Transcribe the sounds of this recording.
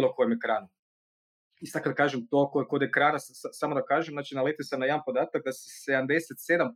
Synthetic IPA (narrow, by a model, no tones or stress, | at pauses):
lokojimekɾaːnu | isad̪kad̪akaːʒemt̪okokod̪ekɾaːnassasamod̪aokaːʒemnaːt͡ʃinalet̪iosamnajd̪anpo̞d̪aːt̪ak̚d̪ase̥sed̪amd̪eset̪sed̪am